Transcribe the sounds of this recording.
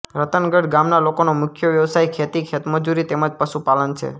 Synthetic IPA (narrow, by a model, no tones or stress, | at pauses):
ɾət̪ənɡəɽɡamnalokonomʊkʰjəʋjəʋsaikʰet̪ikʰet̪məd͡ʒuɾit̪eməd͡ʒpəʃupalənt͡ʃʰḛ